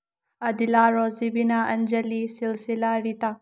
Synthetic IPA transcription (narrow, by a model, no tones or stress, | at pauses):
ɐd̪ilaɾɔzibinaɐnd͡ʒelisilsilaɾita